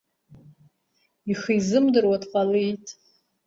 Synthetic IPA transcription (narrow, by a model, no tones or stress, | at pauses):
iχizɨmdɨrwadqʼalijtʼ